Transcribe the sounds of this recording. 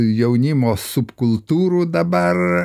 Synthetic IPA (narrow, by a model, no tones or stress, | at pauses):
jɛʊnʲɪmoːsʊpkʊlˠt̪uːɾuːd̪ɐbɐr